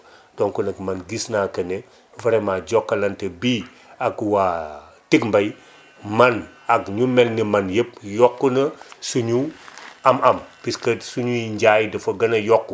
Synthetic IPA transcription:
doŋkunɐkmanɡisnakɐne | vɐɾemad͡ʒokːɐlɐntɐbi | akwa | tikmbaj | man | akɲumelnimanjəp̚jokːunɐsuɲuamɐmpiskɐsuɲuiɲd͡ʒajdɐfɐɡɐnɐjokːu

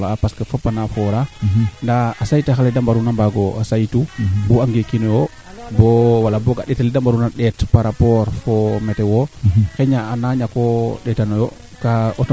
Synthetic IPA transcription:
laapaskefopːanafɔɾandaasajtaxalɛdambaɾunambaɡɔasajtubuaŋɡekinɔjo | bɔwalabɔoɡa̰ɗɛtalidambaɾunaɗɛtpaɾapɔɾfɔmɛtɛwɔxɛɲaːnaɲakɔɗɛtanojo | kaɔt

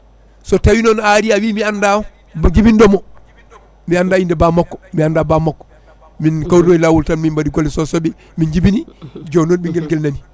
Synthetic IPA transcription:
sɔtawinonaɾiawiːmianda | bd͡ʒibindɔmo | miandaːindebamokːɔ̥miandabamakːɔ̥ | minkawɾnoilawultanmimbadiɡolːisɔsobi | mind͡ʒibinid͡ʒoːnoːnbiŋɡelɡelnani

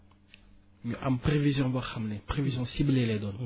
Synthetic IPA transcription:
mʔamprevizjɔ̃baxamnepχevizjɔ̃siblelɛd̪ɔn

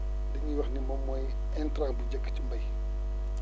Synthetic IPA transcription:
diɲiwɐxnimɔmːɔj | ɛntɾaːbud͡ʒɐkːt͡ʃumbɐj

